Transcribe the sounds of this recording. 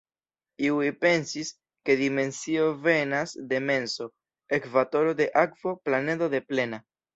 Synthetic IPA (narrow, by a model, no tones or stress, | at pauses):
iwipe̞nsis | ke̞dime̞nsio̞ve̞nasde̞me̞nso̞ | ekvato̞ɾo̞de̞ʔakvo̞plane̞do̞de̞ple̞na